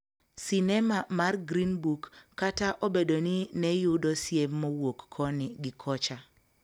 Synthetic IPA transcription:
sinɛmamarɡɾinbukːataʔobedoninɛjʊdɔsjemːɔwokːʰɔnɪɡɪkʰɔt͡ʃa

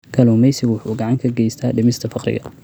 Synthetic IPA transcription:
kʰɐlʊmɛjsɪɡwʊħuːɡɑʕɑŋkʰɐɡɛjst̪ʰaːɖɪmɪst̪ʰɐfɑqɾɪ̰ɣɐ̰

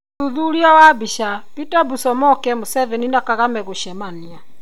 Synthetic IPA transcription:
uðuɾiawabiʃapitabusɔmɔkɛmosɛvɛninakaɣamɛɣoʃɛmania

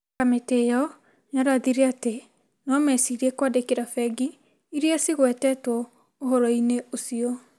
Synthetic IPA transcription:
kametejɔ | ɲaɾaðiɾeate | nɔmɛsiɾiekwadekeɾafɛɡi | iɾiasiɣwɛtɛtwɔ | oɦɔɾɔineosiɔ

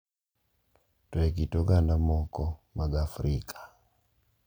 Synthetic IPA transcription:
twek̬itɔɡandamɔkɔmaɡafɾikʰʼḁ

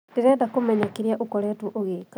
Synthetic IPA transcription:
tiɣɛːdakomɛɲakiɾjaʔukoɾɛtuʔoɣeːka

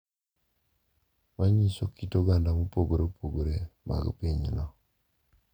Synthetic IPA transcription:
waɲisokitoɡandamupoɡoɾeupʰoɡoɾema̰ɡo̰peɲinɔ

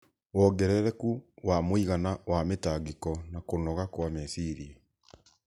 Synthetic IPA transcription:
wɔɡɛɾɛɾɛkuwamoiɣanawametaɡekɔnakonɔɣakwamɛsiɾie

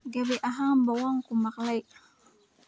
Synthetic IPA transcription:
ɡabeʔaɦaŋmbawaŋkumaklaj

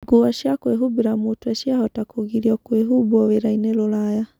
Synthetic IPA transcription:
ɡoaʃjakweɦubeɾamotuaʃjahɔtakoɣiɾiɔkweɦuβɔweɾainelolaja

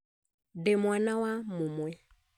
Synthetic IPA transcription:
dɛmwanawamumwɛ

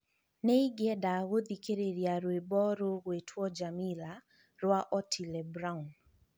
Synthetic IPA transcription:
nɛiɡɪɛdaɣod̪ikeɾeɾjaɾwebɔɾoɣetʰwɔd͡ʒamila | ɾwaʔɔtʰilɛbɾaun

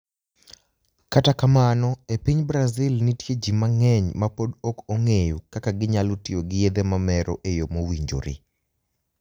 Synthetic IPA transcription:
katakamanɔepiɲbɾazɪlnitjed͡ʒimaŋɛɲmapodokoŋejukakaɡɪɲalotɪoɡɪjed̪emamɛɾɔ̰ʔejomowiɲd͡ʒo̰ɾḭ

